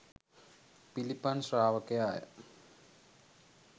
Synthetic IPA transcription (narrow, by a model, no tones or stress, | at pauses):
pilipːaːnsraːʋɐkːejaːjɐ̰